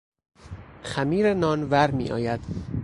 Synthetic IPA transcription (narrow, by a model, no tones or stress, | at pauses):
xæmiːɾenɒːnvæɾmḭːʔɒ̰ːjæd̪̥